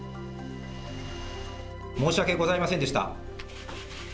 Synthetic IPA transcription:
mo̞ːɕiβake̞ɡo̞zaimasẽ̞nd̪e̞ɕi̥t̪a̰

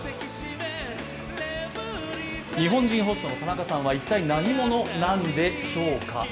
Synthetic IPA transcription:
ɲ̟iɦõ̞ɲ̟d͡ʑĩɰ̃ɦo̞sɨt̪o̞no̞k̪anakasãβait̪ːainaɲ̟imo̞no̞nãnd̪e̞ɕo̞ːka̰

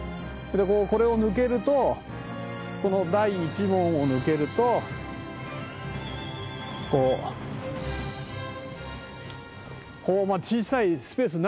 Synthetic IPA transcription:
d̪ekoːko̞ɾe̞onɯ̟k̬e̞ɾɯ̟t̪o̞ | ko̞no̞d̪aiːt͡ɕimõ̞ɰ̃onɯ̟ke̞ɾɯ̟t̪o̞ | koː | ko̞ːmat͡ɕiːsaisɨ̥pe̞ːs̬ɨn

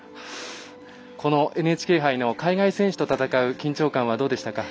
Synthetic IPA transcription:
ko̞no̞ʔe̞nɯ̟e̞ːt͡ɕi̥ke̞ːɦaino̞kaiɡaisẽ̞ɰ̃ɕɨ̥t̪o̞t̪at̪akaɯ̟kʲĩɲ̟t͡ɕo̞ːkãɰ̃βad̪o̞ːd̪e̞ɕi̥t̪aka

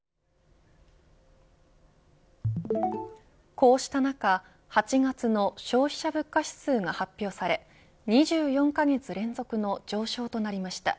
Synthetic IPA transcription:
ko̞ːɕi̥t̪anaka | hat͡ɕiɡat͡sɨno̞ɕo̞ːçi̥ɕabɯ̟kːaɕi̥sɨːɡahapʲːjo̞ːsaɾe̞ | ɲ̟iʑɨːjõ̞ŋkaɡe̞t͡sɨɾẽ̞nd͡zo̞kɯ̟no̞d͡ʑo̞ːɕo̞ːt̪o̞naɾʲimaɕi̥t̪a̰

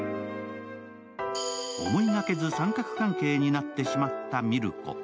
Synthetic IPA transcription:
o̰moɲinake̞zɨsãŋkakɯ̟̥kãŋke̞ːɲinat̪ːe̞ɕimat̪ːamʲiɾɯ̟ko̞̰

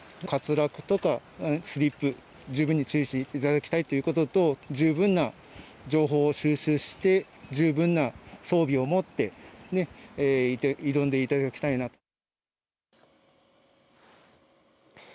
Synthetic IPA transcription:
kat͡sɨɾakɯ̟̥t̪o̞kasɨɾʲipːɯ̟ | d͡ʑɨːbɯ̟̃ɲ̟ːit͡ɕɨːɕit̪it̪ad̪akʲi̥t̪ait̪o̞jiɯ̟ko̞t̪o̞t̪o̞d͡ʑɨːbɯ̟̃nːa | d͡ʑo̞ːɦo̞ːɕɨːɕɨːɕi̥t̪e̞ | d͡ʑɨːbɯ̟̃nːaso̞ːbʲio̞mo̞t̪ːe̞ne̞ːit̪iɾõ̞nd̪e̞it̪ad̪kʲi̥t̪ainat̪o̥

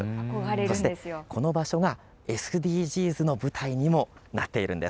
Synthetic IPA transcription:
ɾso̞ɕit̪ejkʰo̞no̞baɕo̞ɡa | e̞sɨɯd̪ʲiːʑiːzɨno̞bɯ̟t̪ʰaiɲ̟imo̞nat̪ːe̞iɾʔɯ̟̃nd̪e̞s

